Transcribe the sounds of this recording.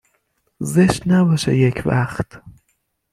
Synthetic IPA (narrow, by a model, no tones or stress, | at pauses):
zeʃt̪næbɒʃḛjecʰvæxt̪